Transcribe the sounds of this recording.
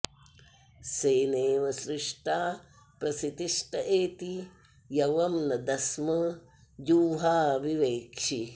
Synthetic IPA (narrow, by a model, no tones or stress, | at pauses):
seːneːʋɐsɾɪʂʈaː | pɾɐsit̪iʂʈɐʔeːt̪i | jɐʋɐmnɐd̪ɐsmɐ | d͡ʒuːɦaːʋiʋeːkʂʰi